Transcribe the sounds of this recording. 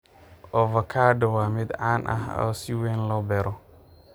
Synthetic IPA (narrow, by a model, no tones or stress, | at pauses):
ʔɔvɐkʰaːɖɔwaːmɪd̪ʕaːnʔɐ̰ɦɔ̰ːsɪwɛːnlɔːbɛːɾɔ